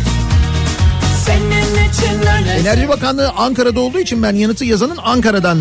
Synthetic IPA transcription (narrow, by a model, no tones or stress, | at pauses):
sɛnenet͡ʃʰne̞næɾʒibakanlˠɯːʔaŋkaɾad̪ao̞lˠd̪uːit͡ʃʰinbænjanɯt̪ʰːɯjazanɯnaŋkaɾad̪an